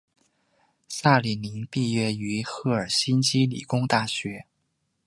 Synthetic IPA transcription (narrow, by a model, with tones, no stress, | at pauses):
sa˥˩li˨˩ni˧˥npi˥˩ɥɛ˥y˧˥xɤ˥˩ə˞˨˩ɕi˥nt͡ɕi˥lḭ˨˩kʊ˥ŋt̪a˥˩ɕɥɛ˧˥